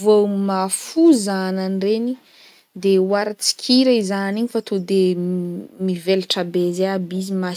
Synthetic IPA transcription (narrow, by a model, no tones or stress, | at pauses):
vomafuzananreni | d̪ewaɾat͡si̥kʲʰiɾaizaniɲifat̪ʰud̪e | mivelʈ͡ʂabezeabizima